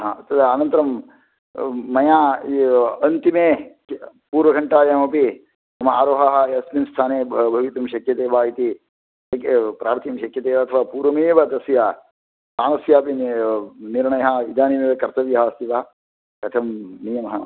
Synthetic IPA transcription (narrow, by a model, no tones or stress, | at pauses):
ɦat̪ɐd̪ɐnɐnt̪ɐɾɐm | ɐjaː | ɐnt̪imeː | puːɾʋɐɡʱɐɳʈaːjaːmɐpi | t̪ɐmɐaːɾoːɦɐɦɐɐsminst̪ʰaːneːbʱbʱɐʋit̪ɐmʃɐkjɐt̪eːʋaːit̪i | ɐkpɾaːɾt̪ʰjɐmʃɐkjɐt̪eːʋɐɐt̪ʰɐʋaːpuːɾʋɐmeːʋɐd̪ɐsjaː | t̪aːnɐsjaːpinniɾɳɐjɐɦɐʋid͡ʒ̪aːnimeːʋekɐɾt̪ɐʋjɐɦɐst̪iʋɐɐ | kɐt̪ʰɐmnijɐmɐɦɐ